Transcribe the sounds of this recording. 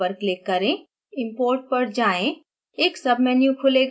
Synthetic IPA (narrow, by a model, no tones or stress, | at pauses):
əɾklɪkːɐɾẽ | ɪ̃mpoːɾʈ̚pɐɾd͡ʒaːẽ | eːksɐbʱmɛːnjũkʰʊleɡ